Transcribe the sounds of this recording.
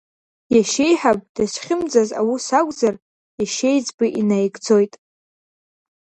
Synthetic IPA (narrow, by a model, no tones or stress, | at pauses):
jaʃe̞jħapʼd̥asχʲɪmd͡zaza̰wisakʷʼzar | jaʃe̞jd͡zbɨʔinajɡʼd͡zo̞jtʼ